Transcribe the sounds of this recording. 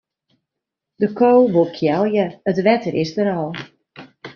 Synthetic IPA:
dəkʰoːʋolˠkʰjɛlˠjəətʋɛtəɾʔɪsdəɾɔlˠ

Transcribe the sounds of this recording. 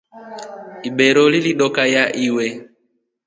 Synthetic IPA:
iɓɛɾɔliliɗɔkajaʔiwɛ

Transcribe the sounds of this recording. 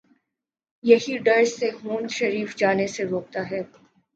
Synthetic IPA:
jɐɦiɖɐɾseɦoːnʃɐɾiːfd͡ʒaːneseɾoːk̚t̪aɦɛː

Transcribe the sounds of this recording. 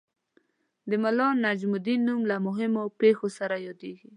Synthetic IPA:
d̪əmalɔnːad͡ʒmʊd̪inːumlamʊɦɪmopexosaɾajɑd̪eɡi

